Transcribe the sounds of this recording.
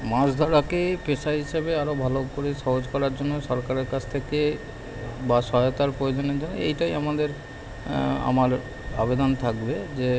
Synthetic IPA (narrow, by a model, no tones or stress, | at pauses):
maɾsd̪ʱɔɽakepeʃaɦiʃebeaɾobʱalokoɾeʃɔɦod͡ʑkɔɾaɾd͡ʑonːoʃɔɾkaɾeɾkat͡ɕʰt̪ʰeke | baʃɔɦajot̪aɾpɾojod͡ʑoneɾd͡ʑonːo̰ejʈajamad̪eɾ | a̰maɾ | a̰bed̪ont̪ʰakbed͡ʑe